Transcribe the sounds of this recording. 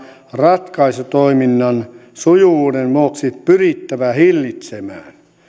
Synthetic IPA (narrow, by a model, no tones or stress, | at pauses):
rɑt̪kɑisut̪oiminːɑnsujuuːdenmuoksiːt̪pyrit̪ːæʋæhilːit̪semæ̰ːn